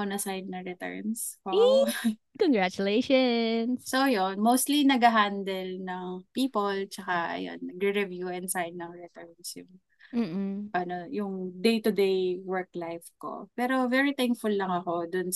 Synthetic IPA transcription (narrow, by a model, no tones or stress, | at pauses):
onɐsajnːɐɹɛt̪ɛ̰ɹnsʔo | kɔŋɡɹat͡ʃʊleʃonːojonmowst̪linɐɡɐɦand̪ɛlnɐŋpiːpolt͡ʃɐkaʔɐ̰jo̰nːɐɡɹɛɹɛvjuʔɛnd̪sajnːɐŋɹɛt̪ɛɹnsjʊ̰ŋ | m̩ːpɐnojʊŋd̪ejt̪ʊd̪ejwɛɹklajfko̞̰pɛːɾo̞vɛɹit̪ɛŋkfʊlːɐŋɐko̞d̪ʊns